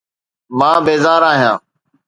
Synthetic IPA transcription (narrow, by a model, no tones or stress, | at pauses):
mãːbeːzaːɾaːɦɪjãː